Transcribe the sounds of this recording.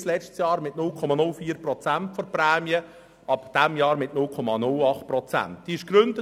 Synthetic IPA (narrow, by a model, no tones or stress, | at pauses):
slɛt͡ʃtsjɑːɾmɪtnʊlkʰɔmɑnʊlfiːɾprɔt͡sæntfɔrpɾɛːmjə | ɑpd̥ɛmjɑːɾmɪtnʊlkʰɔmɑnʊlɑχt̚pɾɔt͡sæ̰nt̚d̥iɪʃɡ̥ɾʏnd̥ə